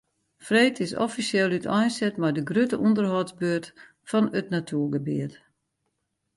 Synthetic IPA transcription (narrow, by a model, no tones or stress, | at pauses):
freːtʰɪsɔ̰fisjelˠytʰɔjnsɛtmɛjdəɡrøtəʔundərhɔtsbøərt | fɔnətnatʰuəɡəbiət